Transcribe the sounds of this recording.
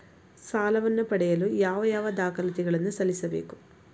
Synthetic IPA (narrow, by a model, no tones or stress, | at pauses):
saːlɐʋɐnːupɐɽɐjɐlujaːʋɐjaːʋɐd̪aːkʰɐlɐt̪iɡɐɭenːusɐlisɐbe̞̰ːku̥